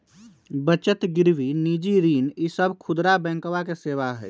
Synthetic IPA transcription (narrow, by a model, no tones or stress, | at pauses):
bət͡ʃət̪ɡɪɾʋiniːd͡ʒiɾiːnisəbkʰʊd̪ɾabɛ̃ːŋkʋakeseːʋaɦɛ̰ː